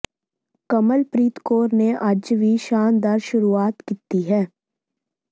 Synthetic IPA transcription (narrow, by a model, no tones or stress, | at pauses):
kɐməlpɾiːt̪koːɾneʔɐd͡ʒʋiʃaːnd̪aɾʃʊɾuaːt̪kit̪iɦɛː